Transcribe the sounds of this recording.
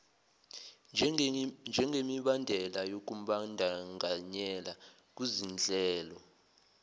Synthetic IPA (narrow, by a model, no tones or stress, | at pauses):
nd͡ʒʱɛŋɡʱemiɓandʱɛlajok̬uɓandʱaŋɡʱaɲɛla | k̬wizind͡ɮʱɛːlɔ